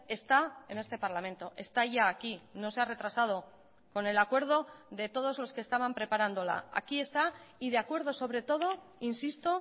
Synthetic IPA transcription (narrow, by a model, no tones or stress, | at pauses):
e̞st̪ae̞ne̞st̪e̞paɾlamẽ̞nt̪o̞ʔe̞st̪aʝaːkino̞se̞are̞t̪ɾasað̞o̞ | ko̞ne̞lakwe̞ɾð̞o̞ðe̞t̪o̞ð̞o̞zlo̞skest̪aβampɾe̞paɾand̪o̞la̰a̰kie̞st̪aiðeakwe̞ɾðo̞so̞βɾe̞t̪o̞ð̞o̞ | insist̪o̞